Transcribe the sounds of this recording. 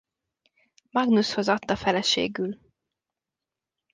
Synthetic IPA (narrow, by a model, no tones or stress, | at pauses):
mɒɡnusho̞zɒt̪ːɒfɛlɛʃḛːɡyl